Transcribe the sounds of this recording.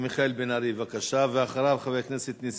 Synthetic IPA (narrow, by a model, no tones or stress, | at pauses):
miχaelbenaɾivakaʃaveaχaɾavχavejkneset̪nis